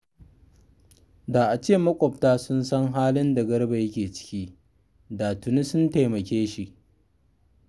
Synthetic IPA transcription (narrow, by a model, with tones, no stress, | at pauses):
daː˨ʔa˨t͡ʃeː˦˨mɐ˦kʷʼɔ˨p̚taː˦sʊ˦nsɐ˦ŋɦaː˦lɪ˦nda˨ɡɐ˦ɽba˨jɐ˦kʲeː˨t͡ʃɪ̥˦kʲiː˦ | daː˨tʊ˨ni˦sʊ˦nta˨jmɐ˨kʲeː˦ʃi˦ʔ